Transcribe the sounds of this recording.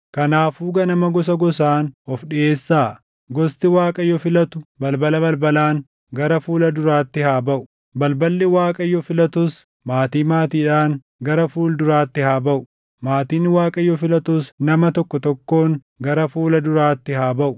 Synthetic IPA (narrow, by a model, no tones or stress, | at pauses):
kɐnaːfuːɡɐnɐmɐɡɔs̬ɐɡɔsaːnɔfɗɪʔeːsːaː | ɡɔst̪ɪwaːkʼɐjɔfɪlɐt̪ʊbɐlbɐlɐbɐlbɐlaːŋ | ɡɐɾɐfuːlɐd̪ʊɾaːt̪ːɪhaːbɐʔʊ̥ | bɐlbɐlːɪwaːkʼɐjːɔfɪlɐt̪ʊs | maːt̪iːmaːt̪iːᶑaːŋ | ɡɐɾɐfuːld̪ʊɾaːt̪ːɪhaːbɐʔʊ | maːt̪iːnwaːkʼɐjːɔfɪlɐt̪ʊsnɐmɐt̪ɔkːɔt̪ɔkːo̞ːŋ | ɡɐɾɐfuːlɐd̪ʊɾaːt̪ːɪhaːbɐʔʊ